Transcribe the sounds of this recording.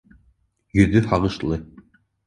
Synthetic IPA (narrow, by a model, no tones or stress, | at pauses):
jɵ̆ðɵhɑʁɤ̆ʃlˠɤ